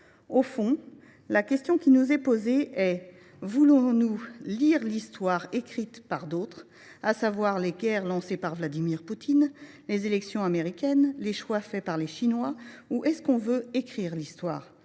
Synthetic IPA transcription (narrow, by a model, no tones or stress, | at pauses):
ofɔ̃ | lakʲɛst̪jɔ̃kʲinuzɛpozeɛ | vulɔ̃nuliʁlist̪waʁekχit̪paʁd̪ot̪χ | asavwaʁleɡʲɛʁlɑ̃sepaʁvlad̪imiʁput̪ʰin | lezelɛksjɔ̃ameʁikʲɛnleʃwafɛpaʁleʃinwauʔɛskɔ̃vøekχiʁlist̪wa̰ːʁ